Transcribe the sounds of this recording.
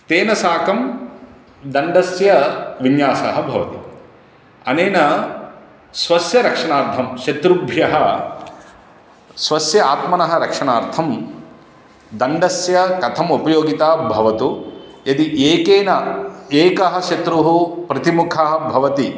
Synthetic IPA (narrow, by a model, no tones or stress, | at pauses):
t̪eːnɐsaːkɐm | d̪ɐɳɖɐsjɐʋinjaːsɐɦɐbʱɐʋɐ̰t̪i | ɐneːnɐ | sʋɐsjɐɾɐkʂɐɳaːɾt̪ʰɐmʃɐt̪ɾubʱjɐɦɐ | sʋɐsjɐaːt̪mɐnɐɦɐɾɐkʂɐɳaːɾt̪ʰɐm | d̪ɐɳɖɐsjɐkɐt̪ʰɐmupɐjoːɡit̪aːbʱɐʋɐt̪ujɐd̪iʔeːkeːnɐeːkɐɦɐʃɐt̪ɾuɦupɾɐt̪imukʰɐɦɐbʱɐʋɐt̪i